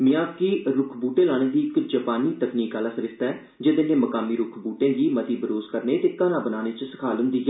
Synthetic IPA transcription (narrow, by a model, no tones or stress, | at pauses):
mɪ̃aːbkiːɾʊkʰbuːʈẽːlaːɽ̃ẽːd̪iːɪkd͡ʒəpaːniːt̪əkniːkaːlaːsəɾɪst̪ɛː | d͡ʒed̪enẽːməkaːmiːɾʊkʰbuːʈẽːd̪iːmət̪iːbəɾoːzkəɾneːt̪eːkaːnãːbənaːñeːt͡ʃsə̥kʰaːlɦʊ̃nd̪iːɛ